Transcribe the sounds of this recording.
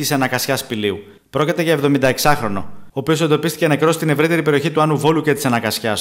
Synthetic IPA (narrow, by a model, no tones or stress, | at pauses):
isɐnɐkɐsçɐspiliu | pɾo̞cit̪e̞ʝɐevðo̞mind̪ɐeksɐxɾo̞no̞̰oːpio̞se̞nd̪o̞pist̪i̥cenɐekɾo̞st̪ine̞vɾit̪e̞ɾipe̞ɾio̞çit̪uɐnuvo̞luce̞t̪i̥sɐnɐkɐsçɐs